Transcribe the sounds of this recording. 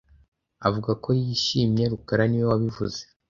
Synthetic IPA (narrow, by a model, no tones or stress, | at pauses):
avuɡako̞jiʃiːmɲe̞ɾukaɾaniwowaβivṵze